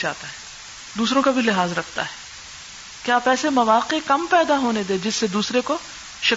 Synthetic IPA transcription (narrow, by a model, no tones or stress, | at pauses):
t͡ʃaːt̪aɦɛː | d̪uːsɾõkabʱilɪɦaːzɾɐkʰt̪a̰ɦɛː | kjaːpɛːsemɐʋaːqekɐmpɛːd̪aɦoːned̪eːd͡ʒɪsːed̪uːsɾeko | ʃɐ